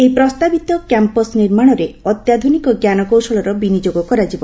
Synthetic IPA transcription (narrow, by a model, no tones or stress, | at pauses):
ejpɾɔst̪abit̪ɔkɛmpɔsniɾmaɽ̃ɔɾeɔt̪jad̪ʱunikɔɡjanɔkowsɔlɔɾɔbinid͡ʒoɡɔkɔɾad͡ʒibɔ